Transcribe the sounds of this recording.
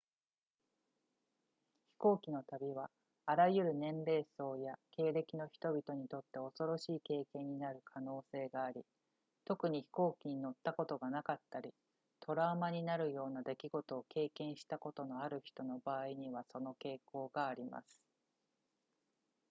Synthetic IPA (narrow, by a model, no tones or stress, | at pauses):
çi̥ko̞ːkʲino̞t̪abʲiβaː | ɾajɯ̟ɾɯ̟nẽ̞nɾe̞ːso̞ːjake̞ːɾe̞kʲino̞çi̥t̪o̞bʲit̪o̞ɲ̟it̪o̞t̪ːe̞o̞so̞ɾo̞ɕiːke̞ːkẽ̞ɲ̟ːinaɾɯ̟kʰano̞ːse̞ːɡaːɾʲi | t̪o̞kɯ̟ɲ̟içi̥ko̞ːkʲiɲ̟ino̞t̪ːako̞t̪o̞ɡanakat̪ːaɾʲi | t̪ʰo̞ɾaːmaɲ̟inaɾɯ̟jo̞ːnad̪e̞kʲiɡo̞t̪o̞ːke̞ːkẽ̞ɰ̃ɕi̥t̪ako̞t̪o̞no̞aɾɯ̟çi̥t̪o̞no̞baːiɲ̟iβ̞aso̞no̞ke̞ːko̞ːɡaːɾʲima̰sɨ̥